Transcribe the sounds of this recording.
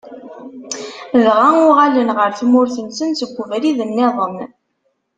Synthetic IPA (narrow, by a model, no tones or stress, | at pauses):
ðʁaʊʁalənʁəɾθmʊɾθənsənsəɡʷːəvɾiðənːeðˤəm